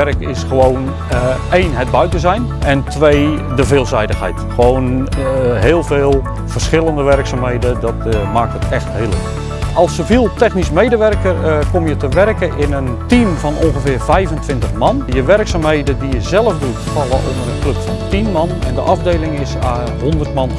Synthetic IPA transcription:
ɛrkɪsxəʋoːn | eːnɦɛd̚bœɥtəzɛjn | ɛntʰʋeː | dəveːlˠzɛjdəxɦɛ̰jtxəʋoːwn | ɦeːəlˠveːlˠ | v̥ərsχɪlˠəndəʋɛrksaːmɦejdədɔtmaːk̚thətʰɛxtɦeəlˠək | ɑlˠsəviːlˠtɛxnismejdəʋɛrkərkomjətəʋɛrkəʔɪnəntimvɔnɔ̃nɣəvɪːrvɛjvəntʋɪntəχmɑnjəʋɛrksaːmɦeːdədijəzɛlˠəfdutfɑlˠəʔo̰ndəɾənklɵpfɔntinmɑnɛ̰ndəʔɑvdeːlɪŋɪsaː | ɦondərtmɑn

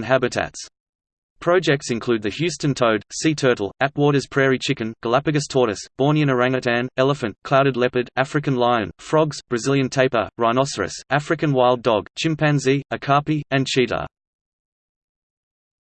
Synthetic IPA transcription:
nɦæbɨtʰæ̰ts | pʰɹ̥ɑʊd͡ʒɛk̚tsɨ̃nkʰl̥ʉːd̪̚ðɨhjʉˑstɨ̃ntʰəʊd̥sitʰɜ˞ɾl̩ˠæp̚wɔːɾəz̥pʰɹ̥ɛɹit͡ʃʰɪkɨ̃nɡ̥əlæpɨɡɨstʰɔɹɾɨsb̥ɔːnɪ̃ñəɹæ̃ŋɨtʰæ̃nɛlˠəfɨ̃nkʰl̥aʊɾɨdˡlɛpəɾæfɹɨkɨ̃nlaɪɨ̃nfɹɒɡzbɹɨzɪlˠjɨ̃ntʰeɪpəɹaɪnɑsəɹɨ̰sʔæfɹɨkɨ̃nwaɪlˠdɔɡ̥t͡ʃʰɪ̃mpʰæ̃nziəkʰɑˑpiɨ̃nt͡ʃʰidlə̰

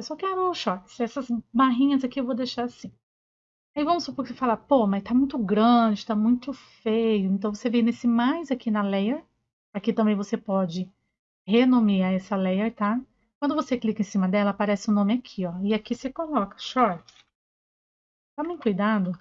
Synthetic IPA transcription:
esɔwkɪaɾoʊʃɔɾt͡ʃɪ̥sɛsɐzbaɦĩɲɐzakiewvod̪ejʃaɾasĩ | aivɐ̃mʊsupoɾkɪsefalapomɐst̪amũj̃t̪ʊɡɾɐ̃d͡ʒɪt̪amũj̃t̪ʊfejʊẽnt̪ɐ̃w̃vosevẽj̃nesɪmajzakʰinɐlejeɾ | akit̪ɐ̃bẽj̃vosepɔd͡ʒɪ | henõmiaɛsɐlejeɾt̪a | kwɐ̃nd̪ʊvoseklikɐẽsĩmɐd̪ɛlɐːpaɾɛsɪʊ̃nõmɪakʰiɔɪakisɪkolɔkɐ̥ʃɔɾt͡ʃɪ̥ | t̪ãmẽj̃kujd̪ad̪ʊ

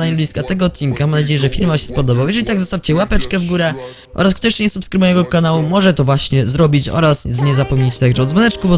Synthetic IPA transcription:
aɲbʲiskat̪ɛɡɔːt̪̚t͡ɕinkamamnad͡ʑejɛʐɛfʲiɾmaɕɛ̥spɔd̪ɔbawjɛʒʐɛlʲit̪aɡzɔst̪afʲt͡ɕɛwapɛt͡ʂkɛvɡuɾɛ | ʔɔ̰ɾaskt̪ɔɕɲɛsupskɾɨbujɛɡɔkanawumɔʐɛt̪ɔvwaɕɲɛzɾɔbʲit͡ɕɔ̰ɾaszɲɛzapɔmɲet͡ɕt̪aɡʐɛɔd̪zvɔnɛt͡ʂkubɔ

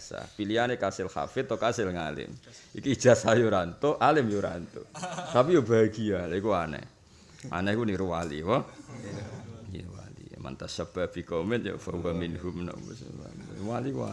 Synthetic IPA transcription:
sa̰pilianekasɪlxa̰fɪt̪ːɔkasɪlŋalɪ̰miki̥d͡ʒ̥a̤sajuɾant̪ɔʔalɪmjoɾa̰nt̪ṵt̪ap̬ijob̥aɡialaikuanɛ̰ | ʔa̰nɛkuniɾuwalḭpɔ | niuwa̰lḭma̰nt̪asəb̥ab̥i̤kɔmɛnjo̰fɔrwaminɦumnɔ̰ŋbusa̰uwalikua̰

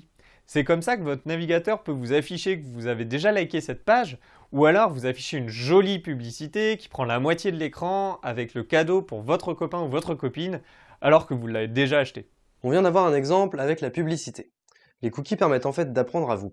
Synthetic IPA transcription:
sɛkɔmsakəvɔt̪χənaviɡʲat̪œʁpøvuzafiʃekəvuzaved̪eʒalakʲesɛt̪̚paʒ | ualɔʁvuzafi̥ʃeynʒɔlipyblisit̪ekʲi̥pχɑ̃lamwat̪jed̪əlekχɑ̃avɛkləkad̪opuʁvɔt̪χəkɔpɛ̃uvɔt̪χəkɔpin | alɔʁkəvulːaved̪eʒaːʃt̪e | ɔ̃vjɛ̃d̪avwaʁɛ̃nɛɡzɑ̃plavɛklapyblisit̪ʰe | lekukʲipɛʁmɛt̪ɑ̃fɛt̪̚d̪apχɑ̃d̪ʁavu

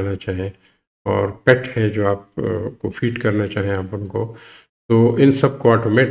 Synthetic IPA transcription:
nat͡ʃaːɦẽ | ɔːɾpɛʈhɛd͡ʒoːaːp̚kofʰiːʈkɐɾnat͡ʃaːɦiẽaːpʊnko | t̪oːʔɪnsɐb̚koaːɾʈomẽ

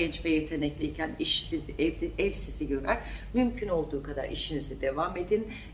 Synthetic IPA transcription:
ɛnt͡ʃvɛjet̪ʰe̞nɛclʲiicʰæniʃsiɛvsiziɟø̞ɾæɾmymcʰyno̞lˠd̪uːkʰad̪a̰ɾḭʃinizid̪e̞vame̞d̪in

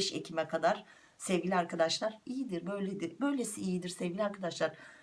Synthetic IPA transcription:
ʃecʰimɛkʰad̪aɾ̥ | sɛvɟʲilʲiaɾkʰad̪aʃlˠaɾijid̪iɾbø̞jlʲed̪iɾbø̞jlʲe̞siːjid̪iɾsevɟʲilʲiaɾkʰad̪aʃlˠaɾ̥

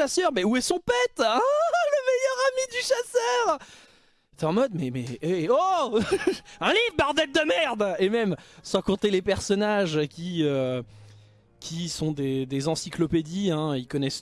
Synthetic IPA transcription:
asœʁmɛuɛsɔ̃pɛt̪ləmejœʁamid̪yʃasœːʁ | t̪ɛɑ̃mɔd̪mɛmɛ̰eo | ɛ̃livbaʁd̪ɛt̪̚d̪əmɛʁd̪emɛmsɑ̃kɔ̃t̪elepɛʁsɔnaʒkʲiø | kʲʰisɔ̃d̪ed̪ezɑ̃siklɔped̪iɛ̃ilkɔnɛs

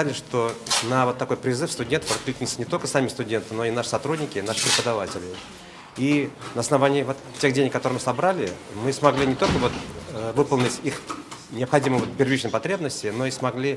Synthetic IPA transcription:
lʲɪʂt̪o̞nəvo̞t̪ːɐko̞jpɾʲɪzɨfst̪ʊdʲe̞nt̪ə̥fɐt̪lʲit̪ʲɪnt̪sənʲɪt̪o̞lʲkə̥samʲɪst̪ʊdʲe̞nt̪ɨno̞inaʂɨ̥sɐt̪ɾudʲnʲɪkʲɪnaʂɨ̥pɾʲɪpəd̪ɐvatʲɪlʲɪ | inəɐsnɐvanʲɪːvo̞t̪tʲːe̞xdʲenʲɪkːɐt̪oɾɨjmɨsɐbɾalʲɪmɨsmɐɡlʲinʲɪt̪o̞lʲkəvo̞t̪vɨpəlˠnʲɪtʲixnʲɪəpxɐdʲimɨjvot̪pʲɪrvʲit͡ɕnəjpɐt̪ɾʲebnəsʲtʲɪno̞ismɐɡlʲi

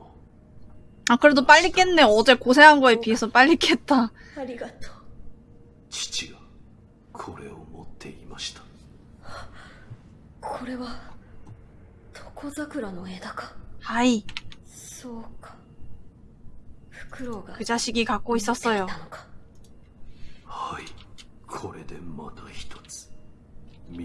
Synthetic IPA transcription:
akɯɾe̞dop͈aʎːik͈e̞nːe̞ʌd͡ʑe̞kosʰe̞ɦanɡʌe̞pie̞sʰʌp͈aʎːikʰe̞t̚t͈aaɾʲiɡat̪o̥ː | t͡ɕi̥t͡ɕiɡa | kʰoɾe̞̰o̰mo̰t̪ʰːe̞̰imaɕi̥t̪ḁ | kʰoɾe̞βa | t̪ʰo̥kʰo̞zakɯ̟ɾano̞e̞ːd̪akḁhai | soːkḁ | ɸɯ̟̥kɯ̟ɾo̞ɡakɯ̟ʑaɕiɡʲikakːoːisosojoanokḁ | hai | kʰo̞ɾe̞d̪e̞mat̪açi̥t̪ʰo̞̥t͡sɨ̥ | mʲ

